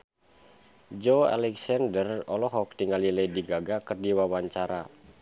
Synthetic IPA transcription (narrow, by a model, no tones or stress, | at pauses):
d͡ʒoa̰lɛksandərɔlɔɦɔk̚t̪iŋaliləjdiɡaɡakərdiwawaɲt͡ʃaɾa